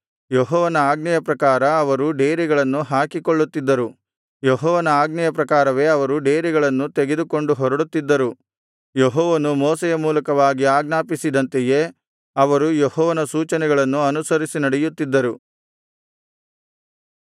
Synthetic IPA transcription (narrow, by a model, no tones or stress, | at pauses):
jeɦɔːʋɐnɐaːɡɐjɐpɾɐkaːɾɐːʋɐɾuɖe̞ːɾiɡɐɭɐnːuɦaːkikoɭːut̪ːid̪ːɐɾu | jeɦɔːʋɐnɐaːɡnjɐpɾɐkaːɾɐʋe̞ːɐʋɐɾuɖe̞ːɾiɡɐɭɐnːut̪eɡed̪ukoɳɖuɦɔɾɐɽut̪ːid̪ːɐɾu | jeɦɔːʋɐnumɔːsɛjɐmuːlɐkɐʋaːɡiaːɡnaːpisid̪ɐnt̪ejeː | ɐʋɐɾujehɔːʋɐnɐsuːt͡ʃɐnɛɡɐɭɐnːuɐnusɐɾisinɐɽɛjut̪ːid̪ːɐɾu